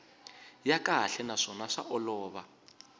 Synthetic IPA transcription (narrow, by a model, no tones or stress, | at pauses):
jakʼaɬɛnaʂɔnaʂa̰ʔɔlɔːβa